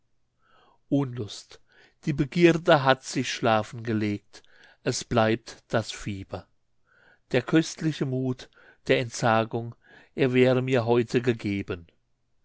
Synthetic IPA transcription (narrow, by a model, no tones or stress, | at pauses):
ʔʊnlʊst | d̥iːbəɡiːdəɦatz̥ɪçʃlaːfn̩ɡəleːk̚t | ʔɛsb̥laɪp̚td̥asfiːb̥ɐ | d̥eːɐkʰœstʰlɪçəmuːt | d̥eːɐɛntz̥aːɡʊŋ | ʔeːɐvɛːʁəmiːɐɦɔʏtʰəɡəɡeːbən